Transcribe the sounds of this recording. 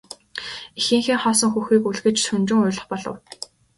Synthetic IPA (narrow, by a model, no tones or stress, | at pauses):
ixɘ̆ːŋxiːŋχɔːsɞ̆ŋxuxiːkuɮɣɘ̆t͡ɕsɵnt͡ɕɪ̆ŋʊ̟ːɮɞ̆χpɔɮɞ̰̆w